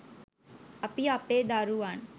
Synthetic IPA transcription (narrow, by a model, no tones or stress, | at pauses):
ɐpiapeːd̪aːɾuːaːn